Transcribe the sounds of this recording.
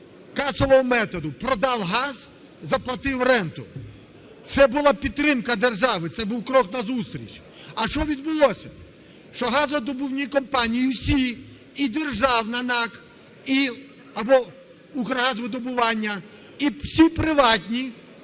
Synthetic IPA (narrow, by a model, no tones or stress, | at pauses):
kɑsɔʋɔɦɔmɛt̪ɔd̪ʊpɾɔd̪ɑwɦɑz | zɐplˠɐt̪ɪwrɛnt̪ʊ | t̪sɛbʊlˠɑpʲidt̪ːɾɪmkɐd̪erʒɑʋɪt̪sɛbuwkɾɔknɐzust̪ɾʲḭt͡ʃ | ɐʃt͡ʃɔʋʲid̪̚bʊlˠɔsʲɐ | ʃt͡ʃɔɦɑzɐd̪ɔbʊwnʲikɔmpɑnʲijiwsʲiː | d̪erʒɑwnɐnɑk | i | ɐbɔ | ukɾɐɦazʋɪd̪ɔbʊʋɑnʲːɐ | isʲipɾɪʋɑtʲnʲi